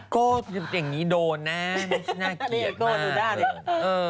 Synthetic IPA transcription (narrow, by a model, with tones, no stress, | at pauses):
koː˥˩˧ja˨˩ŋːiː˦˥doː˧nːa˦˥n˥˦˥snaː˥˩i˧˩koː˥˩duː˧daː˥˩˧ʔɤː˧